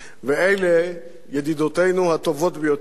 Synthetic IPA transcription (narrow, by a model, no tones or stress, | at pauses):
veejle | jed̪id̪ot̪e̞jnuhat̪o̞vo̞t̪bejo